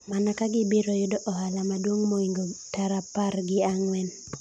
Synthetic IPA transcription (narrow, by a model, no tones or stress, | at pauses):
manakaɡɪbiɾɔjʊdoʔɔhalamadwoŋmoiŋɡotaɾaparɡɪaŋwɛn